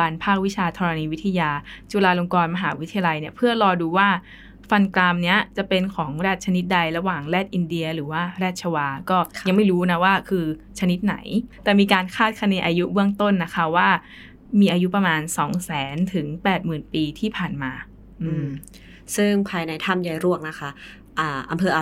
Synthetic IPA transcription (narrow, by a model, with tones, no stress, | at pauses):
aː˧npʰaː˥˩k̚wi˦˥t͡ɕʰaː˧t̪ʰɔː˧ɾa˧niː˧wi˦˥t̪ʰːjaː˧t͡ɕu˧laː˧lo˧ŋkɔː˧nma˧ɦaː˩˦wi˦t̪ʰːa˧ja˧la˧jni˥˩ɐpʰɯ˥˩ɐɾɔː˧duː˧waː˥˩ | fa˧nklaː˧mni˦˥˩ɐt͡ɕa˨˩pe˧nkʰɔː˩˦ŋɾɛː˥˩t̪̚t͡ɕʰa˧ni˦˥t̪̚da˧jɾa˧waː˨˩ŋlɛː˥˩t̪̚ʔi˧ndi˧ɐɾɯː˩˦waː˥˩ɾɛː˥˩t̪̚t͡ɕʰa˧waː˧kɔː˥˩ja˧ŋma˥˩jɾuː˦˥na˦˥waː˥˩kʰɯː˧ | t͡ɕʰa˧ni˦˥t̪̚na̰˩˦jt̪ɛː˨˩miː˧kaː˧nkʰaː˥˩t̪̚kʰa˧niː˧ʔaː˧ju˦˥bɯ˥˩əŋt̪o˥˩nːa˦˥kʰa˦˥waː˥˩ | miː˧ʔaː˧ju˦˥pɾa˧maː˧nsɔː˩˦ŋsɛː˩˦nt̪ʰɯ˨˩˦ŋpɛː˨˩t̪̚mɯː˨˩npiː˧t̪ʰiː˥˩pʰaː˨˩nmaː˧ | ʔɯː˧˩m | sɯ˥˩ŋpʰaː˧jna˧jt̪ʰa˥˩mja˨˧jɾu˥˩ək̚na˦˥kʰa˦˥ | ʔaː˨˩ʔa˧mpʰɤː˧ʔa˧